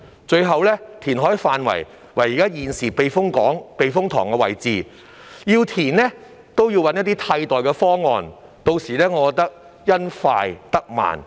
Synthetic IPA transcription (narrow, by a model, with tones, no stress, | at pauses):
t͡ʃɵ˧ɥɦɐ˨wlɛː˥t̪ʰiː˨˩nɦɔː˨˥jfaː˧nwɐ̰˨˩j | wɐ˨˩jiː˨˩kaː˥jiː˨˩nsiː˨˩pe˨˧jfʊ˥ŋkɔː˨˥ŋpe˧jfʊ˥ŋt̪ʰɔ̰ː˨˩ŋkɛ˧wɐ̰˨˩jt͡siː˨˧ | jiː˧wt̪ʰiː˨˩nlɛː˥ | t̪o˥wjiː˧wɐ˨˥njɐ˥t̪̚iː˥t̪ʰɐ˧jt̪ɔː˨˩jkɛ˧fɔː˥ŋɔː˧n | t̪o˧wsiː˨lɛː˥ŋɔː˨˧kɔː˧k̚t̪ɐ˥k̚ | jɐ˥nfaː˧jt̪ɐ˥k̚ma̰ː˨˩n